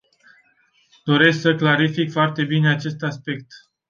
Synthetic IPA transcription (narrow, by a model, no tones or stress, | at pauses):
d̪̥o̞ɾe̞sksəklaɾifikfoart̪e̞bine̞at͡ʃe̞st̪aspe̞k̚t̪